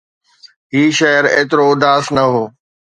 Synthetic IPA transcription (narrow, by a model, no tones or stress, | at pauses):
ɦiːʃɐəɾḛːt̪ɪɾoʊd̪aːsnɐɦoː